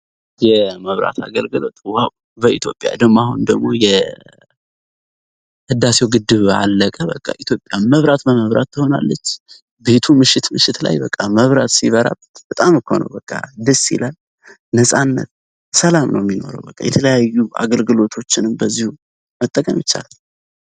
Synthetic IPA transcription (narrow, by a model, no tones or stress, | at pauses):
jɛməβɾa̰t̪ʰa̰ɡəlɡɨlo̞̰t̪waw | bəit̪ʰjo̞pʼja̰d̪əɡmahund̪əɡmo̞jɛ | hɨd̪ːase̞wɡɨd̪ɨβa̰lːəkʼəbəkʼːaʔit̪ʰjo̞pʼːjamməβɾat̪bəməβɾat̪ːɨho̞na̰lːət͡ʃː | be̞t̪ʰumɨʃɪt̪mɨʃɪt̪la̰jbəkʼːaməβɾat̪siβəɾa̰bb̥ət̪ʼamɨkʰo̰nə̰wbəkʼːad̪ɨsḭlal | nəsʼanːə̰t̪̚ | səlamnʔə̰wmːino̞̰ɾə̰wbəkʼːa̰jɛt̪ʰələjajːua̰ɡəlɡɨlo̞t̪ʰo̞t͡ʃːɪnɨmbəzːihu | mət̪ʼːəkʼəmjɪt͡ʃːa̰lal